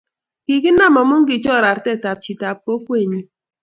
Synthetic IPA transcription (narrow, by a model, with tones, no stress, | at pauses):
ki˨ɡi˦n̩ː˦a˦˨ma˨mu˦ŋ̩˦ɡi˨t͡ʃɔ˦˨ɾa˨ɾte˦˨ta˨p̚t͡ʃi˨ta˨p̚ko˦kʷe˦˨ɲi˦